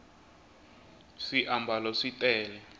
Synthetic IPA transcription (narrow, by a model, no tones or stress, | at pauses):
siʔambʱalɔʂitʼɛːlɛ